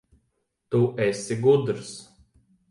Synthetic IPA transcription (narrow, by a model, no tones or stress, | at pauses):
t̪uʔɛsʲiɡud̪ɾs